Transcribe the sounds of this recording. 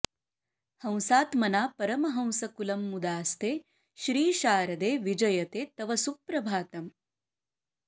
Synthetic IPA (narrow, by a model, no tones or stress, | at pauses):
hɐ̃w̃saːt̪mɐnaːpɐɾɐmɐɦɐ̃w̃sɐkulɐmːud̪aːst̪ʰeː | ʃɾiːʃaːɾɐd̪eːʋid͡ʒɐjɐt̪eːt̪ɐʋɐsupɾɐbʱaːt̪ɐm